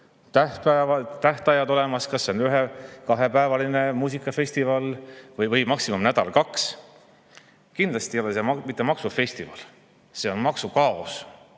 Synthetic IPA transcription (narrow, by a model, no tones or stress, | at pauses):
t̪æhpævɑt̪æht̪ɑjɑd̪o̞le̞mɑskɑsːeonyɦekɑɦe̞pæevɑline̞muːs̬ikˑːɑfe̞st̪ivɑlvɤjvɯjmɑksimumnæd̪̥ɑ̰lkɑks | kind̪lɑst̪ijo̞lese̞mɑmit̪ːˑemɑksufe̞st̪ivɑ̰l | se̞o̞nmɑksukɑos